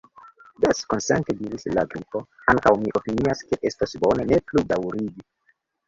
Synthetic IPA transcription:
daskonsḛntediɾisla̰ɡɾipo̞ | aŋkawmiʔo̞piniaske̞ʔe̞stasbo̞ne̞ne̞pludawɾiɡi

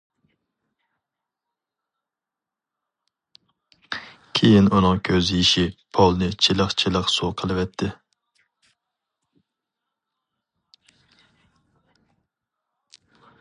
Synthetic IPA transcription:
kʲʰejinunɨŋkʲʰøzjiʃipʰɑlˠnɨt͡ʃʰilˠəqt͡ʃʰilˠəqsuqʰəlˠɨvɛt̪ʰːɪ

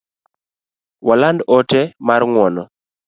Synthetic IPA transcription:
walandɔtɛmarŋwɔnɔ

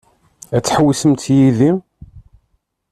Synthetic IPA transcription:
æt͡sːħwisəmt̪jiði

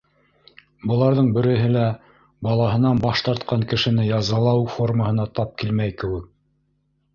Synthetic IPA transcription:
bɤ̆lˠɑɾðɤɴbɘ̆ɾɘ̆ɦɘlæ | bɑlˠɑɦɤ̆nɑnbɑʃt̪ɑɾt̪qɑɴkɘ̆ʃɘ̆nɘjɑzɤ̆lˠɑwfo̞rməhɤ̆nɑt̪ɑp̚kilmæjkɘ̆wɘk̚

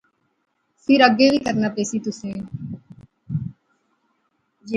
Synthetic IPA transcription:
fɪɾəɡːebʱikəɾnaːpeːsit̪ʊsẽː | j

